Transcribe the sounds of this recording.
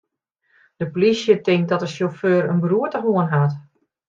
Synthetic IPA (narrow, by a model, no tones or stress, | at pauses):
d̥əpolisjətɪŋk̚dɔtəsjoføːɾənbəruətəxoənɦat